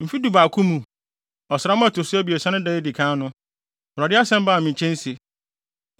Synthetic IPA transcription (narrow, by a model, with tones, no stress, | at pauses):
m̩˨fi˦du˨ba˨kʰũ˦mũ˨ | ɔ˨sɾa˦mʊ̃˦a˦tʊ˨sʊ˦æ˦bi˨e˨sã˦nʊ̃˦dɛ˦ɪ˦di˨kʰã˦nʊ̃˦˨ | ɾɔ˨dɪ˦a˦sɛ̃˦m̩˦baː˦˨mĩ˨t͡ɕʰɛ̃˦n˦si˨